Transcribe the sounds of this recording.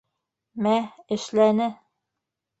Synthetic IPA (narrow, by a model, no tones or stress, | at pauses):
mæɘ̆ʃlænɘ